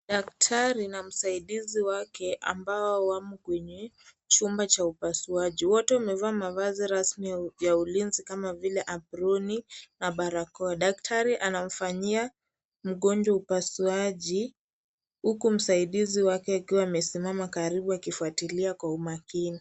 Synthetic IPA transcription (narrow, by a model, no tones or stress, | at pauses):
ɗaktʰaɾinam̩saiɗiziwakɛʔa̰mbaɔwamukwɛɲɛ | t͡ʃumbat͡ʃaupasuaʄiwɔtɛwamɛvaːmavaziɾasmijaulinzikamavilɛʔaɓɾɔninaɓaɾakɔaɗak̚tʰaɾiʔanam̩faɲia | m̩ɠɔnd͡ʒwaupasuaʄi | hukum̩saiɗiziwakɛakiwaːmɛsimamakaɾiɓuakifuatiliakwaumakini